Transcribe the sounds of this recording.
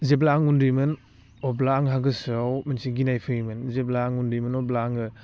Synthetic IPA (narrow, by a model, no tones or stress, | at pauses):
zeblaːŋundɯjmɯn | ɔblaːŋɦaɡɯsɯawmɯnsiɡinajpʰɯimɯnzeblaːŋundɯjmɯnɔblaːŋɯ